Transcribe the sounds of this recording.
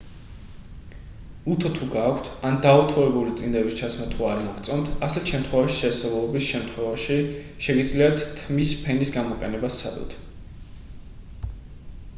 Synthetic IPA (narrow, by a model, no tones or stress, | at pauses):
ut̪ʰɔt̪ʰuɡaːkʷʰt̪ʰand̪aut̪ʰɔɾɛbulit̪sʼind̪ɛbist͡ʃʰat̪sʰmat̪ʰuaɾmɔɡt̪sʼɔnt̪ʰasɛt̪ʃɛmt̪ʰχwɛvaʃi̥ʃɛsɛvˠlˠɔbisʃɛmt̪ʰχwɛvaʃi | ʃɛɡid̪zliat̪ʰːmispʰɛnisɡamɔqʼɛ̰nɛbast̪sʰad̪ɔ̰t̪ʰ